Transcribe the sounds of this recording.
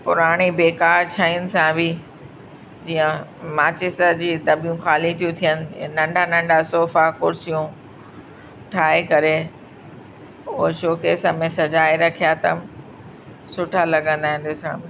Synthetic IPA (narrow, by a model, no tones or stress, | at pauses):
pʊɾaːɽ̃ibeːkaːɾt͡ɕʰaːinɪ̆sãbʱɪ | d͡ʑiːə̃maːt͡ɕɪst̪əd͡ʑiːd̪ɐbijũxaːlit̪ʰijũt̪ʰijənɪ̆nɐ̃ɳɖʱanɐ̃ɳɖasoːfakʊɾsijũ | ʈʰaːekɐɾe | ʊɦoʃoːkesãmẽsɐd͡ʑaːeɾɐkʰijat̪ɐ̰m | sʊʈʰalɐɡə̃nd̪aːɦɪ̃n̆d̪osã̰bɪ